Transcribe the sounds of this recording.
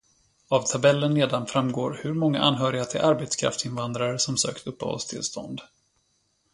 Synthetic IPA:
avt̪ʰabɛlːənleːd̪anfɾamːɡoːɾhɵɾmɔŋːa̰ʔanːɦœːɾɪɡat̪ʰɪ̰lʔaɾbet̪skʰɾa̰ft̪ɪnvand̪ɾaɾəsɔmsø̰ːkt̪ʰɵpːə̰hɔ̰lst̪ʰɪ̰lst̪ʰɔ̰nd̪

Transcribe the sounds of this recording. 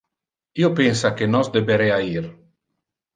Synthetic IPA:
iopensakenɔsd̪ebeɾeaiɾ

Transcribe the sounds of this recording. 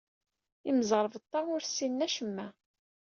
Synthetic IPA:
iməzˤəɾˤəvət̪ˤːɑʊɾsːinːæʃəmːæ

